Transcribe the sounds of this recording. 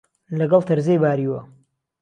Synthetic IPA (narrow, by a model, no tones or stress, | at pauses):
lɐɡɐlˠt̪ʰɐɾzejbaːɾiːwɐ